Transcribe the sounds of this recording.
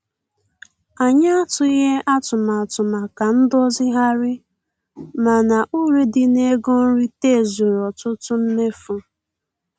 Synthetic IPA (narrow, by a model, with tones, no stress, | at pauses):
a˨ɲa˦a˦tʊ˦i˦ɦe˦ʔa˦tʊ˨ma˨a˨tʊ˨ma˨ka˨n̩˦dɔ˦zɪ˦ɦa˦ɾɪ˦ | ma˨na˨ʔu˦ɾe˦dɪ˨ne˦ɡo˦n̩˦ɾi˦te˦˨zu˨ɾɔ˨tʊ˦tʊ˦m̩˦me˦fʊ˦